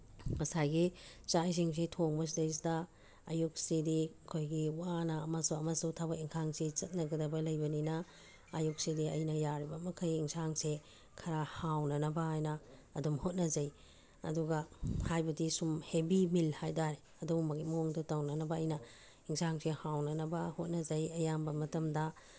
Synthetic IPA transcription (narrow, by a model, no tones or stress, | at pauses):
mɐsajɡit͡ʃajs̬iŋs̬itʰoŋbɐs̬idejs̬dɐː | juk̚sidiɐkʰojɡiwanɐːmasuɐmɐsutʰabɐiŋsʰaŋsit͡ʃɐt̚nɐɡɐdɐbɐlɐjbɐninɐː | juk̚sidiɐjnɐjaɾibɐmɐkʰɐjiŋsʰaŋse | kʰɐɾahawnɐnɐbɐajnɐːdumhot̚nɐzɐj | ɐ̰duɡɐhajbɐdisumhebimilhajdaɾe | ɐdumɐɡitmoŋdutɐwnɐnɐbɐːjnɐ | iŋsaŋsehawnɐnɐbɐhot̚nɐd͡ʒɐjɐjambɐmɐtɐmdɐ